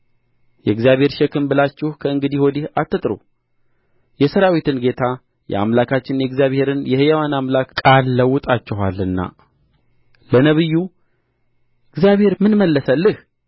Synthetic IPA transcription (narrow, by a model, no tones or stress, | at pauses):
jɛɡzijaβhe̞ɾʃɛkʰɨmbɨlat͡ʃːɪhkʰəɨŋɡɨd̪ihwɔd̪ihat̪ʰːɨt̪ʼɾṵ | jɛsəɾawit̪ʰɨnɡe̞t̪ʰa | jɛ̰a̰mlakʰat͡ʃːɪnjɛɡzjaβhe̞ɾɨnjɛhɨjawanamlakkʼalːəwʊt̪ʼat͡ʃːɪɦa̰lːɨnːa̰ | lənəβɨjːu | ɨɡzijaβhe̞ɾmɨnməlːəsəlːɨh